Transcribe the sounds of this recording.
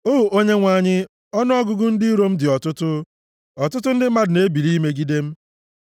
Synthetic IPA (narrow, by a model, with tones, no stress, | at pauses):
o˦u˨ʔo˦ɲe˦ŋʷa˨ɲɪ˦ | ɔ˦n˦ɔ˦ɡʊ˦ɡʊ˦n̩˦dɪ˦ɾo˦m̩˦dɪ˨ɔ˨tʊ˦tʊ˦ | ɔ˨tʊ˦tʊ˦n̩˦dɪ˦ma˦dʊ˨ne˦bi˨li˦me˦ɡi˦de˦m̩˦